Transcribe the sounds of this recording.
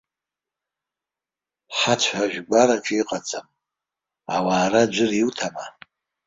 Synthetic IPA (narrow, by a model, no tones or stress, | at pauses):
ħat͡ʃʷʰaʒᶣɡʷaɾaʈ͡ʂʰʼiqʼat͡sʰʼam | a̰waːrad͡ʒʷʊriwtʰama